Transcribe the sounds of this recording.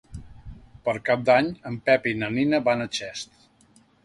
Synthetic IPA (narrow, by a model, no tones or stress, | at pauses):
pəɾkap̚d̪aɲəmpɛpinəninəβanət͡ʃɛst̪